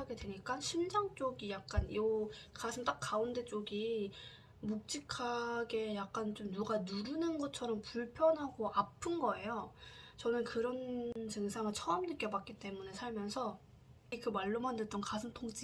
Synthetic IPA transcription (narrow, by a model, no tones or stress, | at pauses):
aɡe̞dwe̞ɲik͈aɕʰind͡ʑaŋt͡ɕ͈oɡijak̚k͈anjokasʰɯŋt͈ak͈aunde̞t͡ɕ͈oɡi | muk̚t͡ɕ͈ikʰaɡe̞jak̚k͈ant͡ɕomnuɡanuɾunɯnɡʌt͡ɕʰʌɾʌmpuɭpʰjʌnɦaɡoʔapʰɯnɡʌe̞jot͡ɕʌnɯnkɯɾʌnt͡ɕɯŋsʰaŋɯɭt͡ɕʰʌːmnɯk͈jʌbak͈̚it͈e̞mune̞sʰaɭmjʌnsʰʌ | ikɯmaɭːomandɯt͈ʌnkasʰɯŋtʰoŋt͡ɕ͈i